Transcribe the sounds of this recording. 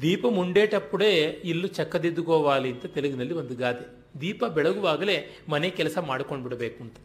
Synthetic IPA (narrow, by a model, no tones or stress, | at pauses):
d̪iːpɐmuɳɖeːʈɐpːuɽe̞ːilːut͡ʃɐkːɐd̪id̪uɡɔːʋaːliɐnt̪ɐt̪eluɡinɐlːiʋond̪uɡaːt̪e | d̪iːpɐbɛɭɐɡuʋaːɡɐle̞ːmɐnekɛlɐsɐmaːɽukoɳɖbiɽɐbeːkuɳʈ̪ɐ